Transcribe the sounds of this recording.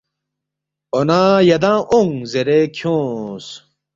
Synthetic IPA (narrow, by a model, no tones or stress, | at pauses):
onãːjɐd̪ãːʔoŋzeɾekʰjõːs